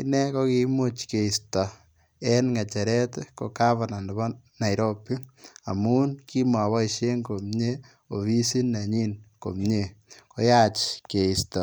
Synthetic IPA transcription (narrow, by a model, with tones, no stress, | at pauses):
i˦nɛ˦ko˦ki˧˦mo˦t͡ʃke˨i˨stɔ˨ | ɛ˦nŋa˨t͡ʃɛ˨ɾɛ˦tko˨ka˦βa˨na˨ndɔ˨βɔ˦na˨jɾo˦pi˦a̰˨mu˦nki˦ma˨βɔ˦iʃe˦ŋko˨mɲe˦ | o˨βi˦si˦na˨ɲi˦nko̰˨mɲe˦ko˦jat͡ʃke˨i˨stɔ˨